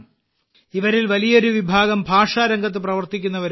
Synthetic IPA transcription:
iʋɐɾilʋɐlijɐoɾuʋibʱaːɡɐmbʱaːʂaːɾɐŋɡɐt̪̬ːɨprɐʋɐrt̪ikʲːunːɐʋɐɾ

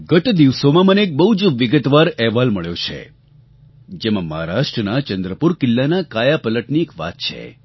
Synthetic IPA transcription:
ɡət̪d̪iʋsomãməneːk̚bəɦud͡ʒʋɪɡət̪ʋaɾɛɦʋalməɭjot͡ʃʰḛ | d͡ʒemãməɦaɾaʃʈɾənat͡ʃənd̪ɾəpuɾkɪlːanakajapələʈniekʋa̰t̪̚t͡ʃʰḛ

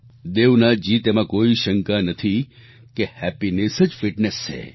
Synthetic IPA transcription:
d̪eʋnad͡ʒit̪emãkoiʃəŋkanət̪ʰi | kehɛpinesəd͡ʒfiʈnest͡ʃʰḛ

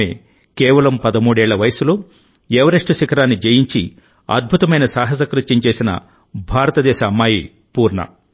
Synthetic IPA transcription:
ḛː | kɛːʋɐlɐmpɐd̪ɐmuːɽɛːɭːɐʋɐjɐsulo | ɛʋɐɾɐʂʈuʃikɐɾaːnːid͡ʒɐjiɲt͡ʃi | ɐ̰d̪̚bʱut̪ɐmɐjnɐsaːɦɐs̬ɐkɾutt͡ʃːiɲt͡ʃe̞ːsinɐ̰ | bʱaːɾɐt̪ɐd̪ɛːʃɐːmːaːji | puːɾɳɐ̰

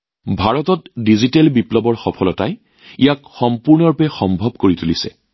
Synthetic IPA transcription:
bʱaɹɔtɔtdizitɛlbiplɔbɔɹxɔpʰɔlɔtaj | ijakxɔmpuɹnɔɹpɛxɔmbʱɔb̚koɹitulisɛ̰

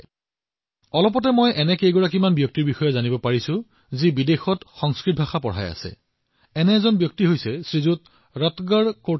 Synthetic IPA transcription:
ɔlɔpɔtɛmɔjʔɛnɛkejɡɔɹak̬imanbjɔk̚tiɹbixɔjɔzanibɔpaɹisʊ | zibidexɔtxɔŋskɹit̚bʱaxapɔɹa̰ja̰sɛ̰ | ɛnɛːzɔnbjɔk̚tiɦojsɛsɹizut | ɹɔtɡaɹko

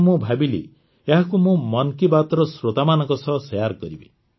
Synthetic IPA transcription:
mõbʱabilḭ | eɦakumõmɔnkibat̪ɾɔsɾot̪amanɔŋkɔsɔsɔjaɾkɔɾibi

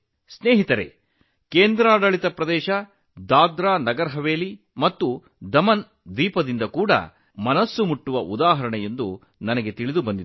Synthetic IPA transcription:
sneːɦit̪ɐɾḛ | keːnd̪ɾaːɽɐɭit̪ɐpɾɐd̪ɛːʃɐ | d̪aːd̪ɾaːnɐɡɐɾɦɐʋeːli | mɐt̪ːu | d̪ɐmɐn | d̪iːpɐd̪ind̪ɐkuːɽɐ̰ | mɐnɐsːumuʈːuʋɐʔud̪aːɦɐɾɐɳɛje̞nd̪u | nɐnɐɡe̞t̪iɭid̪ubɐnd̪id̪

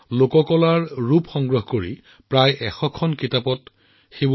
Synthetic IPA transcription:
lokɔkɔlaɹɹupxɔŋɡɹɔɦkoɹḭ | pɹajʔɛxɔkʰɔnkitapɔt | xeb

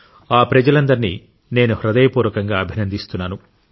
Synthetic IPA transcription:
aːpɾɐd͡ʒɐlɐnd̪ɐɾinḭ | ne̞ːnuhɾɐd̪ɐjɐpuːɾʋɐkɐŋɡaːɐbʱinɐnd̪ist̪unːaːnu

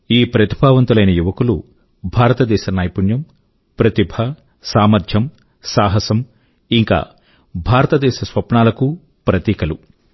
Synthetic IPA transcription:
iːpɾɐt̪ibʱaːʋɐnt̪ulɐjnɐjuʋɐkulu | bʱaːɾɐt̪ɐd̪ɛːʃɐnaːjpunjɐm | pɾɐt̪ibʱɐ | saːmɐɾd̪ʱjɐm | saːɦɐsɐm | iŋka̰ː | bʱaːɾɐt̪ɐd̪ɛːʃɐsʋɐpɳaːlɐku | pɾɐt̪iːkɐlu

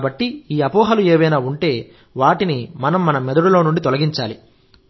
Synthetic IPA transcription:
bɐʈːiiːɐpɔːɦɐlueːʋɐjnaːuɳʈe̞ː | ʋaːʈinimɐnɐmːɐnɐmɛd̪ɐɽulo̞ːnuɳɖit̪ɔlɐɡiɲt͡ʃaːli

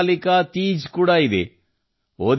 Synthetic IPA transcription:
likat̪iːd͡ʒkuːɽaːid̪ḛ | oːd̪

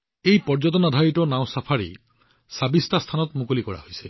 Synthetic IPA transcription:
ejpɔɹd͡ʒɔtɔnadʱaɹitɔnaʊ̃sapʰaɹḭ | sabistast̪ʰanɔtmukolikɔɹa̰hojsɛ

